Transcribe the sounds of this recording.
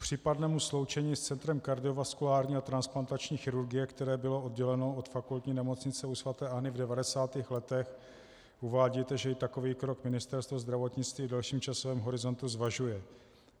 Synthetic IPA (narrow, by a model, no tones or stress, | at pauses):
pr̝̥iːpadnɛːmuslo̞wt͡ʃɛɲiːst͡sɛnt̪ɾɛmkaɾdɪo̞vaskulaːɾɲiːat̪ɾansplant̪at͡ʃɲiːxɪɾuɾɡɪjɛkt̪ɛɾɛːbɪloodɟɛlɛno̞ot̪fakult̪ɲiːnɛmo̞t͡sɲɪt͡sɛusvat̪ɛːʔaɦnɪvdɛvadɛsaːt̪iːxlɛt̪ɛx | ʔuvaːɟit̪ɛʒɛɪt̪ako̞viːkɾo̞kmɪnɪst̪ɛɾst̪vozd̪ɾavo̞t̪ɲɪt͡st̪viːvdɛlʃiːmt͡ʃasovɛːmɦo̞ɾɪzo̞nt̪uzvaʒujɛ